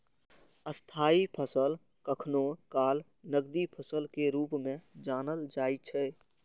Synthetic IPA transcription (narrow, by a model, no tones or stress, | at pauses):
əst̪ʰaːipʰəsəl | kəkʰnokaːl | nəɡd̪ipʰəsəlkeɾuːpmẽd͡ʒanəld͡ʒaːjt͡ʃʰɛ